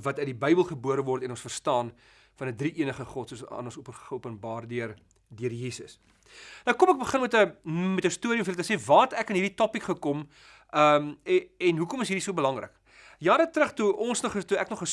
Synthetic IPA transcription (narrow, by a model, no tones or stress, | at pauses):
vɐtœɥt̚dibəjbəlˠχəbuəɾəvɔrtɛnɔ̃nsfərstɑːn | fɐnədriʔiənəχəχɔtsuəsɑ̰ːnɔnsupχəuəpənbɑːrdyər | diərjiːsəs | nɐwkɔmæk̚bəχənmɛtəmɛtəstuəɾiəmfiəlˠt̪əsevɑːtækənɦiːrditɔpikχəkɔm | əmɛnɦukɔməsɦiːɾisuəbəlɐŋrə̰k | jɑːdətɾəχtuʔɔnsnɔχtuæknɔχəs